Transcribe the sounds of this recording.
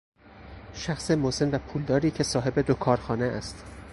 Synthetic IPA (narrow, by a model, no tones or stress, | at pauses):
ʃæxsemose̞nvæpʰuːld̪ɒːɾiːcʰe̞sɒːɦe̞be̞d̪okʰɒːɾxɒːneʔæst̪